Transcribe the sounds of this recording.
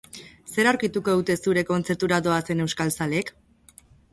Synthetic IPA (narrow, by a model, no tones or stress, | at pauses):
se̞ɾawɾkit̪uko̞ðut̪e̞suɾe̞ko̞nt͡se̞ɾt̪uɾado̞ase̞ne̞wskalsaleːk